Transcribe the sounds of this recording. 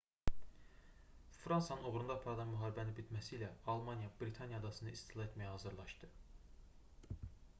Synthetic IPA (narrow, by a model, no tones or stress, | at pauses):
fɾɑnsɑnɯnoɣɾund̪ɑːpʰɑɾɑd̪ˠɑnmyɦɑːɾibænibit̪mæsilæɑlˠmɑnjɑbɾit̪ʰɑnjɑd̪ɑsɯnd̪ɑist̪ʰilˠɑe̞t̪mæjæhɑzɯɾlˠɑʃd̪̥ɯ